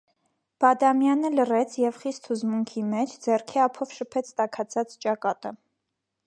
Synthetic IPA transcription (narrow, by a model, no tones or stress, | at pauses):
b̥ɑd̪ɑmjɑnələrɛt͡sʰjɛvχist̪ʰhuzmuŋkʰimɛt͡ʃʰd͡zɛrkʰɛɑpʰɔvʃəpʰɛt͡sʰt̪ɑkʰɑt͡sʰɑt͡st͡ʃɑkɑt̪ə